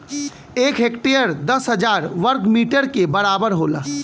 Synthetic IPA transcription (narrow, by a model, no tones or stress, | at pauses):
eːkʰɦekʈejəɾd̪əsɦəd͡ʒaːɾʋəɾkmiːʈəɾkebəɾaːbəɾɦoːla̰